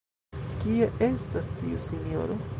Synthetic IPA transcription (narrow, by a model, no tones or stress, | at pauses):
kieʔe̞stastiusiɲo̞̰ɾo